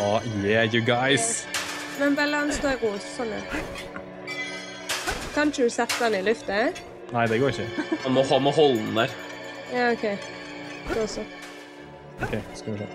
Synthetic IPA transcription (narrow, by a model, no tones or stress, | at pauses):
ɔjæjʊɡaɪs | mɛnbɛlɑnsd̪oɛʁuːssɔnə̰ | kʰɑnʃəd̪ʉsɛt̪ːd̪ɛnəɪlʉft̪ə | næɪd̪ɛɡoːɾɪçəɑmɔhɑmɔɦɔld̪̩d̪æɾjɑːɔkʰeɪ | ɡoːsɔ | ɔkʰeɪskɑʋɪʂḛː